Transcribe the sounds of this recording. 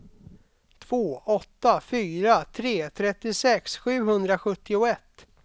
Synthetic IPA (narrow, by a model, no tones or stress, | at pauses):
t̪ʰv̥oːɔt̪ːafyːɾat̪ʰɾeːt̪ʰɾɛt̪ːɪsɛksɧʉ̟ːɦɵnd̪ɾaɧɵt̪ːɪʊɛt̪ː